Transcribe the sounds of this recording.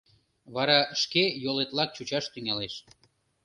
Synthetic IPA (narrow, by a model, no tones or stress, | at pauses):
βɑɾɑʃkejolet̪lɑk̚t͡ɕut͡ɕɑʃt̪yŋɑleʃ